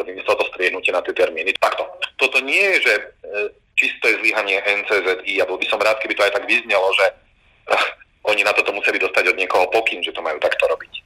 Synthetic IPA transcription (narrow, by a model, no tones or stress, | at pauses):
t̪ɔbimislt̪ɔst̪ɾɪɛɦnucɪɛnat̪ɪɛt̪ɛɾmiːnit̪akt̪ɔt̪ɔt̪ɔɲɪɛjɛʒɛ | t͡ʃist̪ɔjɛzliɦaɲɪɛʔɛnt͡sɛːzɛd̪iːabɔlbisɔmɾaːt̪̚kɛbit̪ɔajt̪aɡʋizɲɛlɔʒɛ | ʔɔɲinat̪ɔt̪ɔmusɛlid̪ɔst̪aɟɔd̪ɲɪɛkɔɦɔpɔkinʒɛt̪ɔmajuːt̪akt̪ɔɾɔbic